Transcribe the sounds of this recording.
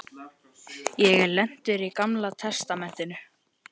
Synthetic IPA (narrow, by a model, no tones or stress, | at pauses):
jɛɣlɛn̥t̪ʏɾikamlat̪ʰɛst̪amɛn̥t̪ɪnʏ